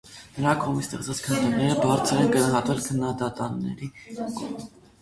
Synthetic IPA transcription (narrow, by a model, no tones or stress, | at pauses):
nəɾɑkɔʁmitst̪ɛχt͡sɑt͡skʰənd̪ənɛɾəbɑɾt͡sʰəɾɛnɡənɑɦɑt̪vɛlkʰənːɑd̪ɑt̪ɑnːɛ̰ɾikɔ